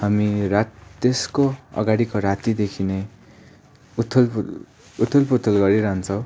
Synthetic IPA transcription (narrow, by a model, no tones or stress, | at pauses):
hamirat̪t̪eskoʌ̰ɡaɽikoɾat̪id̪ekʰine | ut̪ʰːul | ut̪ʰulput̪ʰulɡʌɾiɾaɦnt͡sʰʌw̃